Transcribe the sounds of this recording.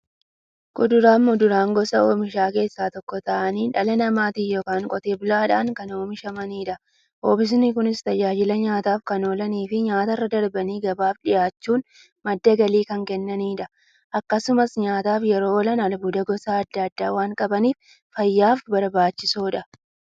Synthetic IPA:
kʊd̪ʊɾaːmːʊd̪ʊɾaːŋɡɔsɐoːmɪʃaːke̞ːsːaːt̪ɔkːɔt̪ɐʔɐniːᶑɐlɐnɐmaːt̪ijoːkaːŋkʼɔt̪e̞ːbʊlaːᶑa̰ːŋkɐnoːmɪʃɐmɐniːᶑɐ | oːbɪs̬nɪkʊnɪst̪ɐd͡ʒaːd͡ʒɪlɐɲaːt̪aːfkɐno̞ːlɐniːfɪɲaːt̪ɐrːɐd̪ɐɾbɐniːɡɐbaːfᶑɪjaːt͡ʃːuːn | mɐd̪ːɐɡɐliːkɐŋkɛnːɐniːᶑɐ | ʔɐkːɐsʊmɐsɲaːt̪aːfjɛɾo̞ːɔlɐnɐlbʊd̪ɐɡɔsaɐd̪ːɐɐd̪ːaːwaːŋkʼɐbɐniːf | fɐjːaːfbɐɾbaːt͡ʃːɪsoːᶑɐ

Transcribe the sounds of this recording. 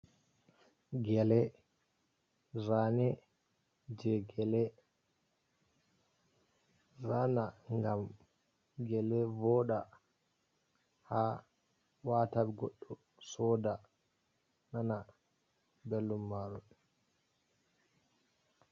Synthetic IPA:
ɡɛlɛ | ɾanɛ | d͡ʒɛɡɛlɛ | ɾanaŋɡam | ɡɛlɛvɔɗa | ha | watabɛɡɔɗːɔ | sɔda | nana | bɛlːumːaɾun

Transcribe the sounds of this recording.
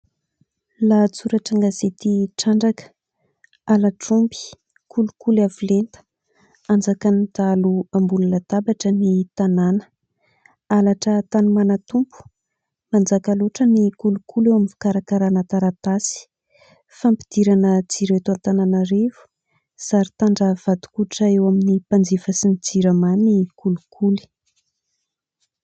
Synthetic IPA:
lat͡suɾaʈ͡ʂaŋɡazet̪iʈ͡ʂaɳɖ͡ʐakə̥ | alaʈ͡ʂumbi̥ | kulukulavilent̪ə̥ | and͡zakanid̪̥aluambulunət̪abaʈ͡ʂənit̪ananə̥ | alaʈ͡ʂət̪anumanat̪umpu̥ | mand͡zakaloʈ͡ʂənikulukʰulewaminfi̥kaɾakaɾanat̪aɾat̪asi̥ | fampi̥d̪̥iɾanət͡siɾet̪uant̪ananaɾevu̥ | z̥aɾit̪aɳɖ͡ʐəv̥ad̪u̥kuʈ͡ʂaewaminipand͡zifəsinid͡ziɾəmanikulukʰuli̥

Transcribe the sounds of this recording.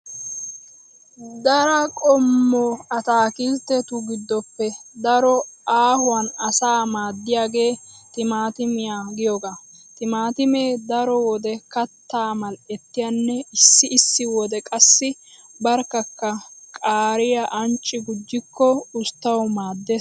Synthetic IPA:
d̪ɐɾɐkʼɔmːɔɐt̪aːkizt̪ːɛt̪ʊɡɪd̪ːɔpːɛd̪ɐɾɔaːhʊwɐnɐsaːmaːd̪ːɪjaːɡe̞ːt̪ɪmaːt̪ɪmɪjaɡɪjɔɡat̪ɪmaːt̪ɪmeːd̪ɐɾɔwɔd̪ɛkɐt̪ːaːmɐlɛt̪ːɪjanːɛɪsːɪɪsːɪwɔd̪ɛkʼɐsːɪbɐɾkːɐkːɐkʼaːɾɪjɐʔɐnt͡ʃʼːɪɡʊd͡ʒːɪkːɔʊst̪ːɐwmaːd̪ːeː

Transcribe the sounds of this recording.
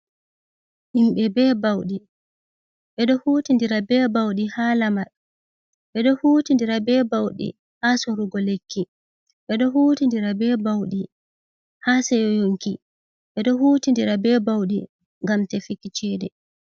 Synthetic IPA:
ʔimɓɛbɛːbawɗi | ɓɛɗɔhuːtindiɾabɛːbawɗihaːlamaɗ | ɓɛɗɔhuːtindiɾabɛːbawɗḭ | haːsɔɾuɡɔlekːi | ɓɛɗɔɦuːtindiɾabɛːbawɗi | haːsɛjɔjoŋki | ɓɛɗɔhuːtindiɾabɛːbawɗi | ŋɡamtɛfikːit͡ʃɛːdɛ

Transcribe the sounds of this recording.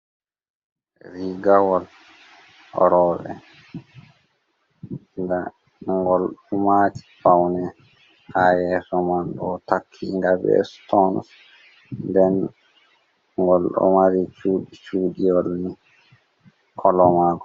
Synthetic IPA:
ɾiɡawɔl | ɔ̰ɾɔːɓɛ̰ | nda | ŋɡɔlɗɔmaːti̥fawnɛ | hajɛsɔmanɗɔtakʰːiŋɡabɛ̰stɔns | ndɛn | ŋɡɔlɗɔ̰maɾit͡ʃuːɗit͡ʃuːɗijɔlni | kʰɔlɔmaːɡɔ

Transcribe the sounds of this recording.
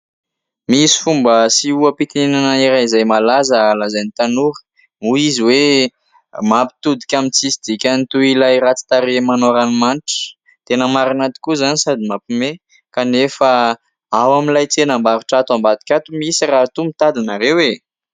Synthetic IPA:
misi̥fumbəsiuəpit̪inenanəiɾaizajmalazəlazanit̪anuɾə̥ | muiziwe | mapi̥t̪ud̪ikʲamint͡sisid̪ikʲanit̪uilajɾat͡si̥t̪aɾemanoɾanimaniʈ͡ʂə̥ | t̪enəmaɾanat̪i̥kuzanisad̪imapime | kanefə | awamilajt͡senəmbaɾiʈ͡ʂat̪ambad̪i̥kʲat̪umisirat̪umit̪ad̪inaɾewe

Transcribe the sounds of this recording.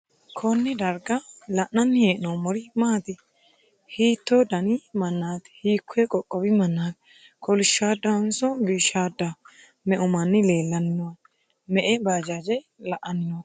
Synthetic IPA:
kʰɔnːɪd̪ɐɾɡɐlɐʔnɐnːɪheːʔnɔmɔɾɪmaːt̪ɪ | hiːt̪ːod̪ɐnɪmɐnːaːt̪hiːkʰːʊɛkʼɔkʼːɔbɪmɐnːaːt̪ | kʰɔlɪʃːaːd̪ːɐnsɔbiːʃaːd̪ːɐ | mɛʔʊmɐnːɪle̞ːlːɐnɪnɔwɐ | mɛʔɛbaːd͡ʒad͡ʒɛ | lɐʔɐnɪnɔ

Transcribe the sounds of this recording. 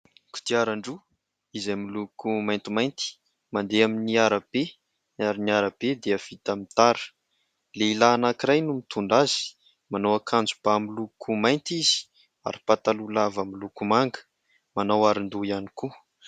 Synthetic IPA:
ku̥t̪iaɾaɳɖ͡ʐu | izamilukumajnt̪imajnt̪i̥ | mand̪eaminiaɾab̥e | aɾiniaɾab̥ed̪eəv̥it̪amit̪aɾə̥ | leilaːnakiɾajnumit̪ʰuɳɖ͡ʐazi̥ | manowakʰand͡zub̥amilukʰumajnt̪iz̥i̥ | a̰ɾi̥pat̪alulavamilukumaŋɡə̥ | manawaɾind̪uianiku

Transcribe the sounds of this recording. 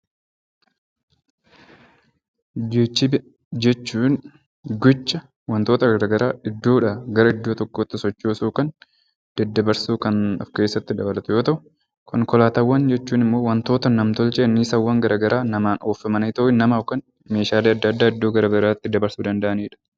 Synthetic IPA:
d͡ʒɛt͡ʃːɪb | d͡ʒɛt͡ʃːuːn | ɡʊt͡ʃːɐ | wɐnt̪o̞ːt̪ɐɡɐɾaːɡɐɾaːʔɪd̪ːoːᶑɐɡɐɾɐɪd̪ːo̞ːt̪ɔkːoːt̪ːɪsɔt͡ʃːoːsuːkɐn | d̪̥ɛd̪ːɐbɐɾsuːkɐnɔ̰fke̞ːsːɐt̪ːɪd̪ɐbɐlɐt̪ʊjo̞ːt̪ɐʔʊ̥ | kʊŋkɔlaːt̪ɐwːɐnd͡ʒɛt͡ʃːuːnɪmːo̞ːwɐnt̪o̞ːt̪ɐnːɐmt̪ɔlt͡ʃʼeːnːiːsɐwːɐŋɡɐɾʔaːɡɐɾʔaːnɐmaːno̞ːfɐmɐnɐt̪ɐʔɪnːɐmaːwkɐn | me̞ːʃaːleːɐd̪ːɐɐd̪ːaːɪd̪ːo̞ːɡɐɾɐbɪɾaːt̪ːɪd̪ɐbɐɾsuːd̪ɐnd̪ɐʔɐniːᶑɐ̥

